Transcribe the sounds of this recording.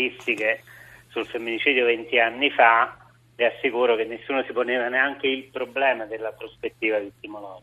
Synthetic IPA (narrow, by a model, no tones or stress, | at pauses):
ist̪ikesulfemːinit͡ʃiːd̪jovent̪ianːifa | riasːikuːɾok̟enːesːuːnosiponeːvaneaŋk̟eilpɾoblɛːmad̪elːapɾospet̪ːiːvad̪it̪imolɔːd͡ʒ